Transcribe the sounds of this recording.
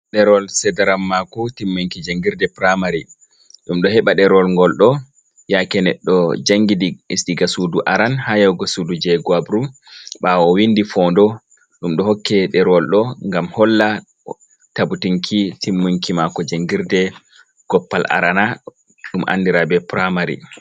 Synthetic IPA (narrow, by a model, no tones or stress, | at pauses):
ɗɛɾɔlsɛdɛɾamːakɔtimːuŋkid͡ʒaŋɡiɾdɛpɾamaɾi | ɗumɗɔhɛɓaɗɛɾɔlŋɡɔlɗɔ | jakɛnɛɗːɔd͡ʒaŋɡidiisdiɡasuduʔaɾanhajawɡɔsudud͡ʒɛɡuabɾu | ɓawɔwindifɔndɔ | ɗumɗɔɦɔkːɛɗɛɾɔlɗɔŋɡamhɔlːa | tabutiŋkʰitimːuŋkimakɔd͡ʒaŋɡiɾdɛ | ɡ̥ɔpːalʔa̰ɾana | ɗumʔa̰ndiɾabɛpɾamaɾḭ